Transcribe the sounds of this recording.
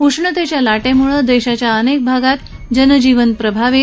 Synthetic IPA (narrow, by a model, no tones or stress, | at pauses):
uʂɳət̪et͡ɕjalaʈemuɭəd̪eɕat͡ɕjaənek̚bʱaɡat̪ | d͡ʑənəd͡ʑiʋənpɾəbʱaʋe